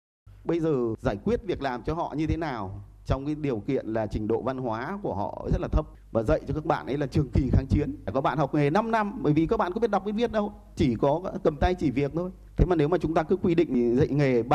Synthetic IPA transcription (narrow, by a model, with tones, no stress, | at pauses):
ɓə˧jzəː˨˩zaː˧˩jkwi˦˥ət̚vi˨˩ək̚laː˨˩mt͡ɕɔ˧hɔ̰˧˨ɲɨ˧t̪ʰe˨˦naː˨˩w | t͡ɕɔ˧wŋ͡mkaː˨˦ɗi˨˩əwkḭ˧˨ənlaː˨˩t͡ɕï˨˩ŋ̟ɗo̰˧˨va˧nhwaː˨˦ku˧˩əhɔ̰˧˨zə˦˥t̚laː˨t̪ʰə˦˥p̚vaː˨˩zə̰˧˨jt͡ɕɔ˧kaː˦˥k̚ɓa̰ː˧˨nʔə˨˦jlaː˨˩t͡ɕɨ˨˩əŋki˨˩xaː˨˦ŋt͡ɕi˨˦ən˧˩kɔ˨˦ɓa̰ː˧˨nhɦa˨˩wk͡p̚ŋe˨˩na˧mna˧mɓəː˧˩jvi˨˩kɔ˨˦ɓa̰˧˨kːɓt̚ɗk͡p̚ɓe˨˦nvi˦˥ət̚ɗə˧w | t͡ɕi˧˩kɔ˨˦˨kə˨˩mt̪a˧jt͡ɕi˧˩vi˨˩ək̚t̪ʰo˧j | t̪ʰe˨˦maː˨˩ne˨˦wmaː˨˩t͡ɕʊ˨˦ŋ͡mt̪aː˧kɨ˨˦kwi˧ɗḭ̈˧˨ŋ̟zə̰˧˨jŋe˨˩ɓ